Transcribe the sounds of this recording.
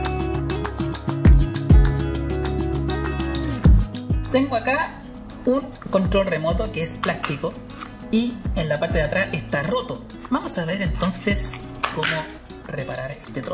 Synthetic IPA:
t̪eŋɡoaka | uŋ | ko̞nt̪ɾo̞lre̞mo̞t̪okeesplast̪iko | ienlapaɾt̪eðat̪ɾʔasʔest̪arot̪o | bamosaβeɾent̪o̞nses | komo | repaɾaɾest̪et̪ɾo

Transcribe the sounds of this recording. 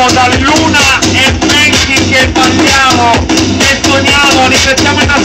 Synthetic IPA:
od̪alluːnaemmɛnt̪ikepːalːjaːmonetːoɲjaːmorifet̪ːjaːmoina

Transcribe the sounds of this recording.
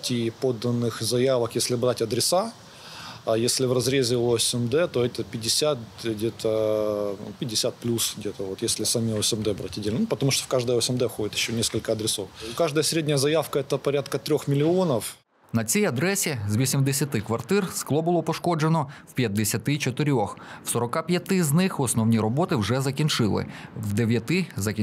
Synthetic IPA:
tʲipod̪ːɐnːɨxzɐjaʋəkjesʲlʲɪbɾatʲɐd̪ɾʲɪsa | jesʲlʲɪvrɐzɾʲezʲɪsɛmd̪ɛt̪oɛt̪əpʲɪdʲɪsʲat̪ɡdʲet̪ə | ṵpʲɪdʲːɪsʲat̪̚plʲusɡdʲet̪əvot̪jesʲlʲɪsɐmʲiosɛmd̪ɛbɾatʲɐdʲelʲnupət̪ɐmuʂt̪ofkaʐd̪əjəosɛmd̪ɛfxodʲɪt̪jɪɕːonʲeskəlʲkəɐd̪ɾʲɪsofkaʐd̪əjəsʲɾʲedʲnʲəjəzɐjafkəɛt̪əpɐɾʲat̪kət̪ɾʲoxmʲɪlʲɪonɐf | nɐt͡sʲijɐd̪ɾɛsʲizʋʲisʲimd̪esʲɐt̪ɪkʋɐrt̪ɪrsklˠɔbʊlˠɔpɔʃkɔd͡ʒenɔwpʲjɐd̪ːesʲɐt̪ɪt͡ʃɔt̪ɪɾʲɔxwsɔɾɔkɑpʲjɐt̪ɪznɪxɔsnɔwnʲiɾɔbɔt̪ɪwʐɛzɐkʲint͡ʃɪlˠɪ̰wd̪eʋʲjɐt̪ɪzɐkʲ

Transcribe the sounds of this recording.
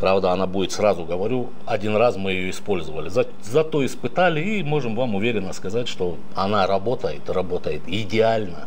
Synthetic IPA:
pɾavd̪əɐnabudʲɪt̪srazʊɡəvɐɾʲu | ɐdʲinrasmɨjɪjo̞ɪspo̞lʲzəvəlʲɪzɐ | zɐt̪o̞ɪspɨt̪alʲɪimo̞ʐɨmvamʊvʲeɾʲɪnːəskɐzatʲʂt̪o̞ | ɐnaɾɐbo̞t̪əjɪt̪rɐbo̞t̪əjɪt̪ɪdʲɪalʲnə

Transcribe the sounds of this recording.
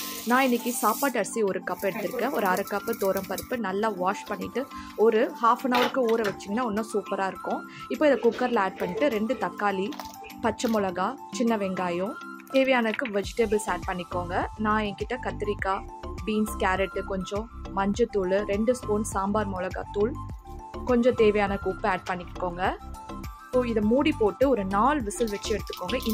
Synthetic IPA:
nãːɪnːɪkːisaːpaːʈːɐɾsiɔɾɯkɐpːɛɽɯt̪ːɪɾɯkːẽːɔɾɯɐɾɐkːɐpːɯt̪oːɾɐmpɐɾɯpːɯnɐlːaʋaːʂpɐɳːɪʈːɯ | ɔɾɯhaːfɐnɐʋɐɾɯkːɯuːɾɐʋɐt͡ʃːɪŋɡɐnːaːɔnːõːsuːpɐɾaːɪɾɯkːʊ̃ | ɪpːoːɪðɐkʊkːɐɾlɐaːɖ̚pɐɳːɪʈːɯɾɛɳɖɯt̪ɐkːaːli | pɐt͡ʃːɐmʊlɐɣaː | t͡ʃɪnːɐʋɛŋɡaːjʊ̃ | t̪eːʋɐjaːnɐkːɯʋɛd͡ʒɪʈeːbɐlsaːɖ̚pɐɳːɪkːoːŋɡɐnãːɛŋkɪʈːɐkɐt̪ːɪɾɪkːaːbiːnskaːɾɛʈːɯkɔɲd͡ʒɔ̃mɐɲd͡ʒɯt̪uːlɯɾɛɳɖɯskuːnsaːmbaːɾmɔlɐɣa̰ːt̪uːɭ | kɔɲd͡ʒɔ̃t̪eːʋɐjaːnɐkuːpːaːɖ̚pɐɳːɪkːoːŋɡɐ | ɪpːoːɪðɐmuːɽipoːʈːɯɔɾɯnaːɭʋɪsɯlʋɛt͡ʃːɯɛɽɯt̪ːɯ̥kːoːŋɡɐʔ

